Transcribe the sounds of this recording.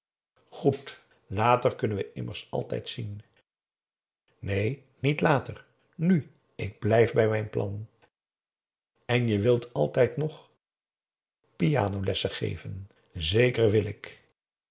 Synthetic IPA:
χut | laːtəɹkɵnənʋəʔɪməɹsɑ̰lˠtɛ̰jtsin | nej | nitlaːtər | ny | ɪɡ̚blɛjfbɛjmɛjnplʔɑ̰n | ɛnjəʋɪlˠtʰɑlˠtɛjtnɔχ | pija̰ːnowlɛsəχḛjvən | zejkərʋɪlɪk

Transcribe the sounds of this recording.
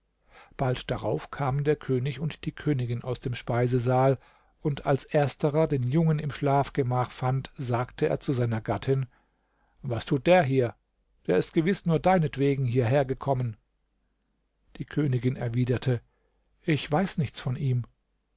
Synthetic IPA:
b̥altd̥aʁa̰ʊfkʰaːməndeːɐkʰøːnɪçʊntd̥iːkʰøːnɪɡɪna̰ʊsd̥eːmʃpaɪzəzaːl | ʔʊntalsʔeːɐstʰəʁɐdeːnjʊŋənɪmʃlaːfɡ̥əmaːχfantz̥aːktʰəḛːɐt͡suzaɪnɐɡatʰɪn | vastʰuːt̚d̥eːɐɦiːɐ | d̥eːɐɪstɡ̥əvɪsnuːɐdaɪnətv̥eːɡŋ̩ɦiːɐɦeːɐɡəkʰɔmən | d̥iːkʰøːnɪɡɪnɛɐviːdɐtʰə | ʔɪçv̥aɪsnɪçt͡sfɔnʔiːm

